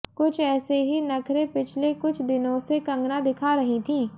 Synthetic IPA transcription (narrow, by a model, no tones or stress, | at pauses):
kʊt͡ʃʰɛːseɦinɐkʰɾẽpɪt͡ʃʰlekʊt͡ʃʰd̪ɪnõsekɐ̃ŋɡnãd̪ɪkʰaɾɐɦĩt̪ʰĩː